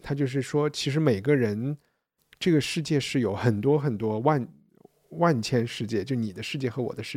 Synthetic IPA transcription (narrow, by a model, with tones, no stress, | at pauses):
t̪ʰa˥t͡ɕjo˥˧ʊʂ̬ɻ̩˥˩ʂwɔ˥t͡ɕʰi˧˥ʂ̬ɻ̩˧˥me˨˩ɪɡə˦ɻə˧˥n | ʈ͡ʂɤ˥˩ɡə˩ʂɻ̩˥˧t͡ɕjɛ˥˧ʂɻ̩˥˩jo˧˩ʊxə˨˩nt̪wɔ˥xə˨˩nt̪wɔ˥wa˥˧n | wa˥˩nt͡ɕʰjɛ˥nʂɻ̩˥˧t͡ɕjɛ˥˩t͡ɕjo˥˧˩ni˨˩d̪ə˦ʂɻ̩˥˧t͡ɕjɛ˥˩xɤ˧˥wɔ̰˨˩d̪ə˦ʂɻ̩˥˩